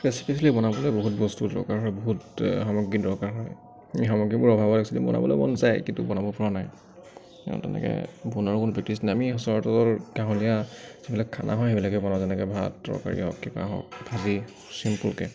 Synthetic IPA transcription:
pɛsi̥pʰislibɔnabɔlɛboɦut̚bɔstudɔ̰ɹkaɹɦɔjboɦutxɔmɔɡidɔɹkaɹɦɔj | amixɔmɔɡibʊɹɔbʱabɔaɡsilḭbɔ̰nʔa̰bɔ̰lɔ̰bɔ̰nzajkintubɔnabʊbʰʱuɹanaj | tɛ̰nɛ̰kɛ̰bʱunɔɹkʊnupik̚tisnajamiɦɔsɔɔtɔɔɹɡãɦɔlijazibilakʰːa̰nʔa̰ɦɔjɦebilakɛbɔnazɛnɛkɛbʱatdɔ̰ɹka̰ɹḭɦɔ̰kːiba̰ɦɔ̰k̚bʱazi | simpulkɛ̰

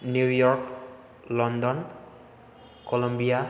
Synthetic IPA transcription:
njuwjɔɹk | lɔnd̪ɔn | kɔlɔmbija

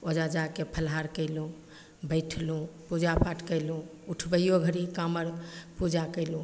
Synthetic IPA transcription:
od͡ʒad͡ʒakepʰəlɦaɾkəɪlũ | bəɪʈʰlũpud͡ʒapʰaʈkəɪlũuʈʰbəjoɡʱəɾikaməɾpud͡ʒakəɪlũ

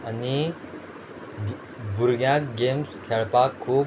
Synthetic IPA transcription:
ʌni | buɾɡjãkɡemskʰeɭpakʰːuː

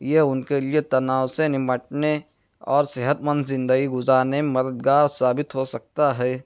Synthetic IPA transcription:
jeʊnkelijet̪ɐnaːwsenɪməʈne | ɔːɾseɦət̪mə̃nd̪ʰzɪ̃nd̪əɡiɡʊzaːnemɐd̪əd̪ɡaːɾsaːbɪt̪ɦosɐk̚t̪aɦɛː

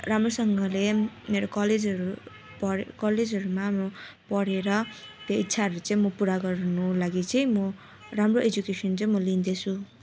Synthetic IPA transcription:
ramrosʌŋɡʌlemeɾokʌled͡zʌɾu | pʌɾkʌled͡zʌɾumaːmro | pʌɽeɾʌt̪jait̪ːsʰaɦʌɾuɾut͡sʌ̃ĩmʌpuɾaɡʌrnulaɡit͡sʌĩmʌ | ramroʔed͡zukesʌnt͡sʌĩmʌlind̪et͡sʰu

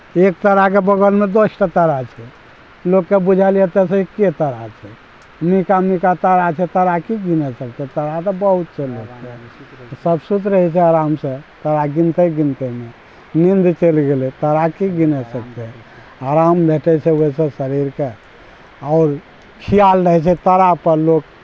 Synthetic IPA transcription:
ek̚t̪əɾak̬ebəɡəlmed̪osʈət̪əɾat͡ʃʰɛ | lokːebud͡ʒʱaliɛt̪ɛsẽikːet̪əɾat͡ʃʰɛ | mikamikat̪əɾat͡ʃʰɛt̪əɾakiɡinɛsək̚t̪et̪əɾat̪ɔbəɦut̪t͡ʃʰelokesəbsud̪ɾəɦɛt͡ʃʰɛaɾamset̪əɾaɡint̪eɡint̪eme | nind̪t͡ʃelɡelet̪əɾakiɡinɛsəkt̪eɦɛ | aɾambʱeʈʰɛt͡ʃʰɛʋoisẽsəɾiɾke | ɔʊɾ | kʰijalɾəɦɛt͡ʃʰɛt̪əɾapəɾlok

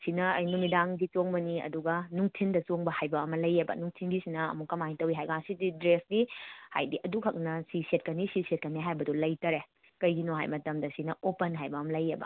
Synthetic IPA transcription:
sinɐɐjnumidaŋɡit͡ʃoŋbɐniɐ̰duɡɐnuŋtʰindɐsoŋbɐhajbɐːmɐlɐjebɐ̰nuŋtʰinɡisinɐɐ̰mukːɐmaŋtɐwiɦajɡaŋsididɾesɡiha̰jdiʔɐdukhɐk̚nɐsiset̚kɐnisiset̚kɐnːeɦajbɐdɔlɐjtɐɾe | kɐjɡinoɦa̰jmɐtɐmdɐsinɐʔopɐnɦajbɐːmɐlɐjebɐ̰

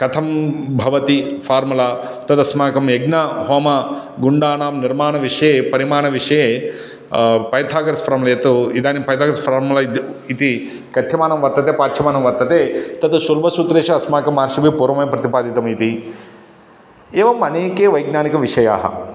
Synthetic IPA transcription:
kɐt̪ʰɐmbʱɐʋɐt̪ifʰaːɾmulaː | t̪ɐt̪ɐsmaːkɐmjeɡnaɦoːmɐ | ɡuɳɖaːnaːmniɾmaːnɐʋiʂɐjeːpɐɾimaːɳɐʋiʂɐjeː | pɐjt̪ʰaːkɐɾɐspɐɾamɐlɐjet̪uid̪aːnipɐjt̪ʰaːkɐɾɐspʰɾaːɾmulɐit̪i | kɐt̪ʰjɐmaːnɐmʋɐɾt̪ɐt̪eːpaːt͡ʃʰɐmaːnɐmʋɐɾt̪ɐt̪eːt̪ɐt̪ɐʃulbʱɐsut̪ɾeːʃɐɐsmaːkɐmaːɾʃibʱipuːɾɐmɐjɐpɾɐt̪ipaːd̪it̪ɐmit̪i | eːʋɐmɐneːkeːʋɐjɡnaːnikɐʋiʂɐja̰ːɦɐ̰

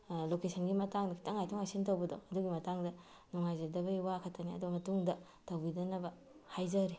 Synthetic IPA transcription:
lokesɐnɡimɐtaŋdɐkʰitʰɐŋajtʰɔŋasintɐwbɐdo̰wɐduɡimɐtaŋdɐ | nuŋajzɐdɐbɐiwakʰɐtːɐniɐ̰duɡɐmɐtuŋdɐ | tɐwbidɐnɐbɐ | hajzɐɾi

